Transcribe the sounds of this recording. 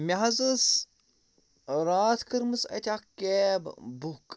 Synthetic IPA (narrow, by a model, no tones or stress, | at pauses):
mʲaɦɐzəs | ɾaːt̪ʰkəɾmɨsɐ̰t̪ʲakkːeb̰buk